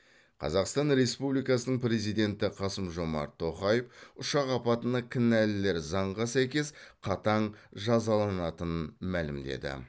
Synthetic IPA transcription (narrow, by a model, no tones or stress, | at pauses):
qʰɑ̰zɑqst̪ɑnɾe̞spublijkɑsənəɴpɾe̞zijd̪e̞nt̪ɪqʰɑsəmʒo̞mɑ̰ɾt̪ʰːo̞χɑjefʊʃɑqɑpɑt̪ənɑkʲʰɪnælɪle̞ɾzɑɴʁɑsæjkʲe̞sqʰɑt̪ɑɴʒɑzɑlˠɑnɑt̪ənənmælɪmd̪e̞̰d̪ɪ̰